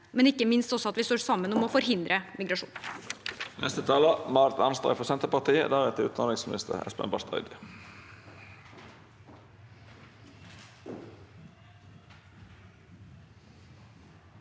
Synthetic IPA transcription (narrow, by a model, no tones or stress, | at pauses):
mɛnɪkːəmɪnst̪ɔsɔɑt̪ʋɪst̪oːɾsɑmːənɔmɔfɔɾɦɪnd̪ɾʔəmɪɡɾɑʂṵːn | nʔɛst̪ət̪ʰɑːləmɑɾt̪ɑnst̪ʁɑ̰fɔsɛnt̪əpɑt̪iːə̰d̪æːʋɛt̪ʰɪʉːt̪ɑnɪŋsmɪnɪst̪ʰə̰ɾɛ̰spɛ̰mbɑst̪œ̰ʏd̪ɪ